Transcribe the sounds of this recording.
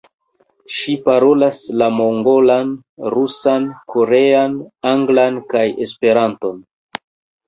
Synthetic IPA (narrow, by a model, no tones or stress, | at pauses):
ʃipaɾo̞laslamo̞ŋɡo̞lan | ɾusanko̞ɾe̞anaŋɡlankaje̞spe̞ɾanto̞n